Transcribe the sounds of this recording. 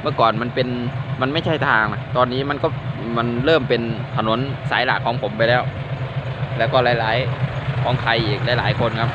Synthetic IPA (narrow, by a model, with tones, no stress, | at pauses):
mɯ˥˩əkɔː˨˩nma˧npe˧nma˧nma˥˩jt͡ɕʰa˥˩jt̪ʰaː˧ŋla˧˩t̪ɔː˧nːiː˦˥ma˧nkɔː˥˩ma˧nɾɤː˥˩mpe˧nt̪ʰa˧no˩˦˥nsaː˨˩˦jlaː˨˩kʰːɔː˩˦ŋpʰo˩˦mpa˧jlɛː˦˥˩w | lɛː˦˥˩wkɔː˥˩laː˨˦˥jlaː˨˩˦jkʰɔː˩˦ŋkʰa˧jʔiː˨˩k̚laː˨˦jlaː˩˦jkʰo˧nkʰa˦˥p̚